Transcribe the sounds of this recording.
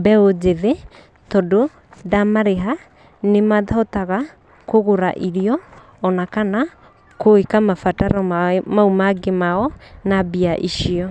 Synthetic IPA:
bɛod͡ʒeðe | tɔdo | damaɾeɦa | nemaðahotaɣa | koɣoɾa̰ʔiɾiɔː | nakana | koekamafataɾɔmaumaɡemaɔnabiaʔiʃiɔ

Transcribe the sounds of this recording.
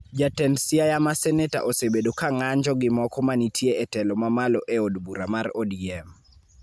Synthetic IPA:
d͡ʒatɛnsiajamasɛnɛta̰ʔosebedokaŋaɲd͡ʒɔɡɪmɔkɔmanitʰieɛtɛlɔmamalɔʔeodbuɾamarɔdiɛm

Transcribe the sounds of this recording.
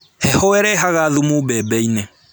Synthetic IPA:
hɛhoɛɾɛɦaɣaðumubɛbɛinɛ

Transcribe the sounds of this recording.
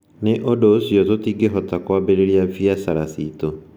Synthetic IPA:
neʔodosjɔtotiɡeɦɔtakwaːbeɾeɾjavjasaɾasito

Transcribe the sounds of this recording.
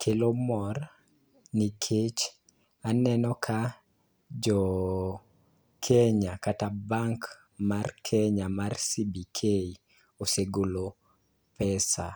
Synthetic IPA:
kʰelomɔr | nikʰet͡ʃ | anɛnɔkʰa | d͡ʒɔ | kʰeɲakatabaŋk | markʰeɲamarsibikʰei | oseɡolo | pɛsa̰

